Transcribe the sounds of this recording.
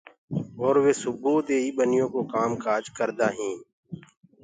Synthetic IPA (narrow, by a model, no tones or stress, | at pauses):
ɔːɾʋeːsʊboːd̪eːiːɓənɪjõːkoːkaːmkaːd͡ʒkəɾd̪aːɦĩː